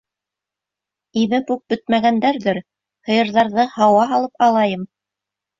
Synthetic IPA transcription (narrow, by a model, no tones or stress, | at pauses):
imɘpʉk̚bɵt̪̚mæɡænd̪æɾðɘɾ | hɤ̆jɤ̆ɾðɑɾðɤhɑwɑɦɑlˠɤpɑlˠɑjɤm